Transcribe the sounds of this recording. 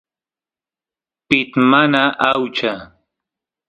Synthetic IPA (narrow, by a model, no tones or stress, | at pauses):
pɪt̪manaʔawt͡ʃa